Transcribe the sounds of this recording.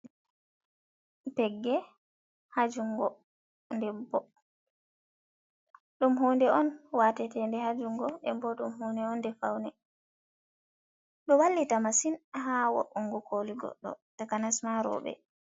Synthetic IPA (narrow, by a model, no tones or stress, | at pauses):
pɛɡːɛ | had͡ʒuŋɡɔ | ndɛbːɔ | ɗumɦondɛɔnwatɛtɛndɛhad͡ʒuŋɡɔʔɛ̰mbɔɗumɦonɛɔndɛfa̰wnɛ | ɗɔwalːitamasinɦawɔ̰ʔɔŋɡɔkoliɡɔ̰ɗːɔ̰takanasmaɾɔ̰ɓɛ̰